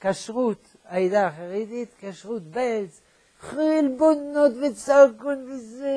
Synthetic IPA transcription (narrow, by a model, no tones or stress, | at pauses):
kaʃʁut̪ | ajd̪aχaʁed̪it̪kaʃʁut̪belt͡s | χilbonnot̪vet͡sakunvize